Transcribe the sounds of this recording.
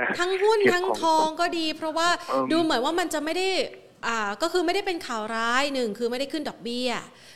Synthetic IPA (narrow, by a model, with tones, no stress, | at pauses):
t̪ʰa˦˥ŋɦu˥˩nt̪ʰa˦˥ŋt̪ʰɔː˧ŋkɔː˥˩diː˧pʰɾɔ˦˥waː˥˩duː˧mɯ˩˦nwaː˥˩ma˧nt͡ɕa˨˩ʔma˥˩jda˥˩j | ʔaː˨˩kɔː˥˩kʰɯː˧ma˥˩jda˥˩jpe˧nkʰaː˨˩˦wɾaː˦˥jnɯ˨˩ŋkʰɯː˧ma˥˩jda˥˩jkʰɯ˥˩ndɔː˨˩k̚bi˥˩ɐ